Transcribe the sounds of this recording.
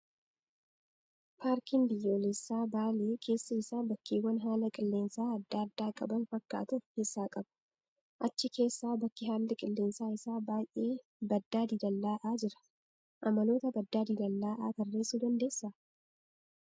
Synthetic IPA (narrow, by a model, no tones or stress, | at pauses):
pʰaːɾkiːnbɪjːoːlɛsːaːbaːleːkʰe̞ːsːɐɪsaːbɐkːeːwːɐnɦaːlɐkʼɪlːe̞ːnsaːɐd̪ːaːd̪ːaːkʼɐbɐnfɐkːa̰ːt̪ʊkesːaːkʼɐb̥ɐ̥ | ʔɐt͡ʃːɪke̞ːsːaːbɐkːɪɦaːlːɪkʼɪlːe̞ːnsaːɪsaːbaːjʔe̞ː | bɐd̪ːaːd̪id̪ɐlːaːʔaːd͡ʒɪɾɐ̥ | ʔɐmɐlo̞ːt̪ɐbɐd̪ːaːd̪id̪ɐlːaːʔaːk̪ɐrːeːsuːd̪ɐnd̪e̞ːsːɐ